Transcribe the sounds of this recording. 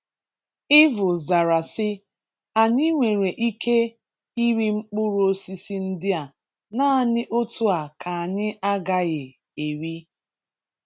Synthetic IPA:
ɪ˦vʊ˨za˨ɾa˨sɪ˦ | a˨ɲi˦ŋʷe˨ɾe˨ʔi˦kʰe˦ | i˦ɾi˦ŋ͡m̩˦k͡pʊ˦ɾo˦o˦si˦si˦n̩˦dɪ˦a˨ | na˦a˨nɪ˦ʔo˦tʰu˦a˨kʰa˨a˨ɲɪ˦ʔa˦ɡa˦ɣɪ˨ | e˨ɾi˦

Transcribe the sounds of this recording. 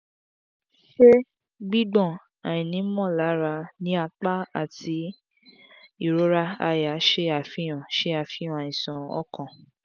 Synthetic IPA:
ʃe˦ | ɡ͡bi˦ɡ͡bɔ̃˦˨ | a˨j̃ĩ˨nĩ˨˦mɔ̃˦˨la˨˦ɾa˧nĩ˦a˧k͡pa˦a̰˦˨ti˨˦ | i˦˨ɾo˨˦ɾa˦a˧ja˨˦ʃe˦a˨fĩ˦j̃ã˨ʃe˦a˧˨fĩ˦ɔ̃˧˦ã˨ĩ˨sɔ̃˨ɔ̰˦kɔ̃˨

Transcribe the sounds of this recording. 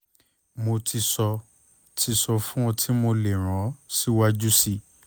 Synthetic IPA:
mo˧ti˧sɔ˧ | tʰi˧sɔ˧fũ˦ɔ˧tʰi˦mo˧le˨ɾ̃ã˨˦si˦wa˧d͡ʒu˦si˦˨

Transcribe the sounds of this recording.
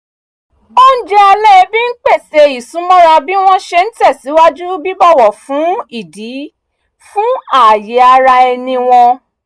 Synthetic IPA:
o˦n̩˦d͡ʒɛ˦a˧lɛ˦˧bĩ˦n̩˦k͡pe˦˨se˧i˨sũ˨˦mɔ̃˦ɾa˧bi˦w̃ɔ̃˦ʃe˧n̩˦tɛ˦˨si˨˦wa˦d͡ʒu˦bi˦bɔ˦˨wɔ˨fũ˨˦i˦˨di˨˦ | fũ˦a˦˨je˨˦a˧ɾa˧ɛ˧nĩ˧w̃ɔ̃˧

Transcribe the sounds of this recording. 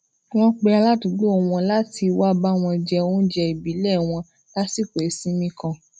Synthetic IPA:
w̃ɔ̃˧˦k͡pɛ˧a˧la˦ti˨˦ɡ͡bo˦o˨w̃ɔ̃˧la˦ti˧wa˦ba˦w̃ɔ̃˧d͡ʒɛ˧o˧˦d͡ʒɛ˧i˨bi˨˦lɛ˦˨w̃ɔ̃˧ | la˦si˦˨ke˨e˨˦sĩ˦mĩ˧kã˧

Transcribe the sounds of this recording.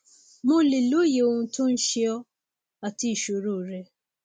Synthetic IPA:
mʊ̃˦li˨lo˦je˨o˨n̩˨tʊ̃˦n̩˦ʃɪ˦ɔ˦ | a˨ti˦˨ʃo˨ɾo˦˨ɾe˦

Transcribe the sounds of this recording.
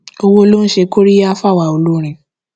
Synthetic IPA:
o˧wo˧˦lo˦n̩˦ʃe˧ko˦ɾi˦ja˦fa˦˨wa˨o˨lu˦ɾ̃ĩ˨˧

